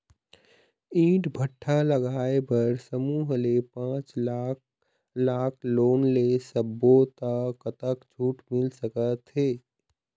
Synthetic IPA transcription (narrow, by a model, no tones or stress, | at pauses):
ĩːʈbʱəʈʰːaləɡaːebəɾsəmuːɦlepãːt͡ʃla | laːkʰloːnlesəbːot̪akət̪əkd͡ʒʱuːʈmɪlsəkət̪ɦeː